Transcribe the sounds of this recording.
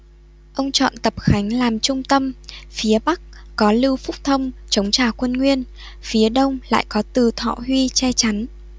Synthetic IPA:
ʔə˧wŋ͡mt͡ɕɔ̰˧˨nt̪ə˨˩p̚xa˨˦jŋ̟laː˨˩mt͡ɕʊ˧ŋ͡mt̪ə˧mfi˨˦əɓa˦˥k̚kɔ˨˦lɨ˧wfʊ˦˥k͡p̚t̪ʰə˧wŋ͡mt͡ɕə˨˦wŋ͡mt͡ɕaː˨˩kwə˧nŋwi˧ən | fi˨˦əɗə˧wŋ͡mla̰ː˧˨jkɔ˨˦t̪ɨ˨˩t̪ʰɔ̰˧˨hwi˧t͡ɕɛ˧t͡ɕa˨˦n

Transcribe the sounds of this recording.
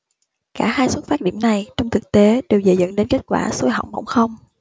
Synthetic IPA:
kaː˧˩haː˧jswə˦˥t̚faː˦˥t̚ɗḭ˧˩əmna˨˩jt͡ɕɔ˧wŋ͡mt̪ʰɨ˨˩k̚t̪e˨˦ɗe˨˩wzḛ˧˩zə̰˧˥nɗe˨˦nke˦˥t̚kwa̰ː˧˩so˧jɦɔ̰˧˨wŋ͡mɓə̰˧˩wŋ͡mxə˧wŋ͡m

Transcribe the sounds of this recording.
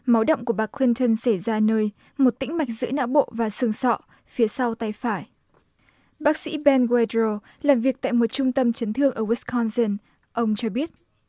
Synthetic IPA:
ma˨˦wɗə̰˧˨wŋ͡mku˧˩əɓaː˧˩kʰli˧nt̪ə˧nsa˧˩jzaː˧nəː˧j | mo˨˩t̚t̪ḭ̈˧˥ŋ̟ma˨˩jk̚zɨ̰˧˥əna̰ː˧˥wɓo̰˧˨vaː˨˩sɨ˨˧˩əŋsɔ̰˧˨ | fi˨˦əsa˧wt̪a˧jfaː˧˩j | ɓaː˦˥k̚sḭ˧˥ɓɛ˧nkwɛ˧dɹo˧ | laː˨˩mvi˨˩ək̚t̪a̰ː˧˨jmo˨˩t̚t͡ɕʊ˧ŋ͡mt̪ə˧mt͡ɕə˨˦nt̪ʰɨ˧əŋʔəː˧˩wi˦˥kʰɔ˧nsə˧n | ʔə˧wŋ͡mt͡ɕɔ˧ɓi˦˥ət̚

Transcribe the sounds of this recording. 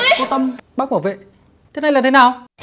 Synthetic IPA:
kɔ˨˦t̪ə˧mɓaː˦˥k̚maː˧˩wvḛ˧˨ | t̪ʰe˨˦na˧jlaː˨˩t̪ʰe˨˦naː˨˩w

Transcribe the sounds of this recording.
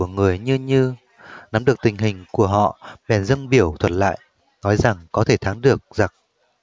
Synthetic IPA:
əŋɨ˨˩əjɲɨ˧ɲɨ˧ | na˨˦mɗɨ˨˩ək̚t̪ï˨˩ŋ̟ɦï˨˩ŋ̟ku˧˩əɦɔ̰˧˨ɓɛ˨˩nzə˧ŋɓi˧˩əwt̪ʰwə˨˧˩t̚la̰ː˧˨j | nɔ˨˦jza˨˩ŋkɔ˨˦t̪ʰe˧˩t̪ʰaː˨˦ŋɗɨ˨˩ək̚za˨˩t̚

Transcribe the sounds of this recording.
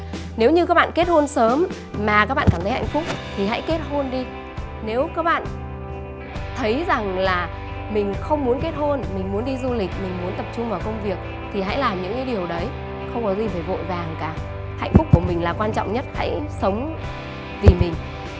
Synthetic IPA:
ne˨˦wɲɨ˧kaː˦˥k̚ɓa̰ː˧˨ke˦˥t̚ho˧nsəː˨˦m | maː˨˩ka˦˥k̚ɓaː˧˨kaː˧˩t̪ə˨˦ha̰˧˨ŋ̟fʊ˦˥k͡p̚t̪ʰi˨˩ɦa̰˧˥jke˦˥t̚ho˧nɗi˧ | ne˨˦wkaː˦˥k̚ɓa̰ː˧˨n | t̪ʰə˨˦jza˨˩ŋlaː˨˩ | mï˨˩ŋ̟xə˧wŋ͡mmu˨˦ənke˦˥t̚ho˧nmï˨˩ŋ̟mu˨˦ənɗi˧zu˧lï˨˩k̟̚mï˨˩ŋ̟mu˨˦ənt̪ə˨˩p̚t͡ɕʊ˧ŋ͡mvaː˨˩wkə˧wŋ͡mvi˨˩ək̚ | t̪ʰi˨˩ɦa̰˧˥jlaː˨˩mɲɨ̰˧˥ŋɲɨ̰˧˦˥ɗi˨˩əwɗə˨˦j | xə˧wŋ͡mkɔ˨˦zi˧faː˧˩vo̰˧˨jvaː˨˩ŋkaː˨˩ | ha̰˧˨ŋ̟fʊ˦˥k͡p̚kːu˧˩əmï˨˩ŋ̟laː˨˩kwaː˧nt͡ɕɔ̰˧˨wŋ͡mɲə˦˥t̚ha̰˧˥jsə˨˦wŋ͡m | vi˨˩mï˨˩ŋ̟

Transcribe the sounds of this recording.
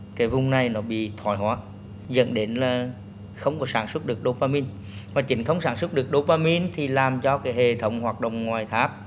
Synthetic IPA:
ka˨˦vʊ˨˧˩ŋ͡mna˨˩jnɔ˨˦ɓḭ˧˨t̪ʰwa˨˩˦jɦwaː˨˦ | zə̰˧˨nɗe˨˦nlaː˨˩ | xə˧wŋ͡mkɔ˨˦saː˨˦nswə˦˥t̚ɗɨ˨˩ək̚ɗo˧˦paː˧mi˧n | vaː˨˩t͡ɕï˨˦ŋ̟xə˧wŋ͡msaː˧˦nswə˦˥t̚ɗɨ˨˩ək̚ɗo˧paː˧mi˧nt̪ʰi˨˩laː˨˩mt͡ɕɔ˧kaː˨˦jɦe˨˩t̪ʰə˨˦wŋ͡mhwaː˨˩k̚ɗo̰˧˨wŋ͡mŋwaː˨˩jt̪ʰaː˦˥p̚

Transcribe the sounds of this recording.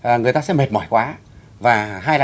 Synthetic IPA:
ʔə˨˩ŋɨ˨əjt̪aː˧sɛ̰˧˥me˨˩t̚mɔ̰˧˩jkwaː˨˦ | vaː˨˩ɦaː˧jla˨

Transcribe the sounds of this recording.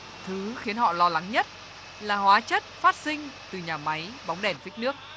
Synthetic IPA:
t̪ʰɨ˨˦xi˨˦ənhɔ̰˧˨lɔ˧la˨˦ŋɲə˦˥t̚ | laː˨˩hwaː˨˦t͡ɕə˦˥t̚faː˦˥t̚sï˧ŋ̟t̪ɨ˨˩ɲaː˨˩ma˨˦jɓa˨˦wŋ͡mɗɛ˧˩nfi˦˥k̚nɨ˦˥ək̚

